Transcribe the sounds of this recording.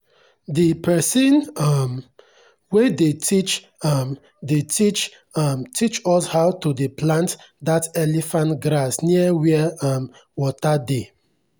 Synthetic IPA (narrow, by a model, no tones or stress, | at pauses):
dipʰɛsĩnɔm | wedetʰit͡ʃ | ɔm | detit͡ʃ | ɔmtʰit͡ʃɔshawtudeplãntdatɛlifãntɡɾasniəwiəɔm | wɔtade